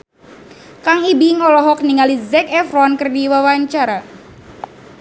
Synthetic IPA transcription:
kaŋibiŋɔlɔɦɔk̚niŋalizɛkɛfrɔnkərdiwawaɲt͡ʃaɾa

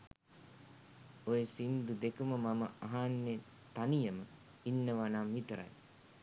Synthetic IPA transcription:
ojesind̪ud̪ekuməmaməaɦanːe | t̪anijəmə | inːəʋanamʋit̪əɾa̰j

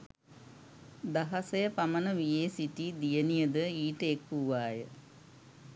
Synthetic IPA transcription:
d̪aɦɐsɐjəpamənəʋieːsiʈid̪ijənijəd̪əiːʈəekːuʋaːjə

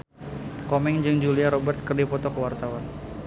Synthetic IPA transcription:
kɔmɛŋd͡ʒɨŋd͡ʒuliaɾɔbərt̪̚kərdipɔt̪ɔkəwart̪awan

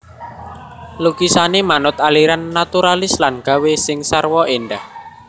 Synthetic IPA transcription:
luɡisanemanʊt̪̚aliɾanːat̪uɾalɪslanɡ̥a̤wesɪŋsarwɔʔenɖah

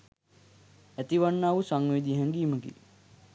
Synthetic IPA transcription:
æt̪iʋanːaːʋusaŋʋid̪iɦɛŋɡiːməɡḭ

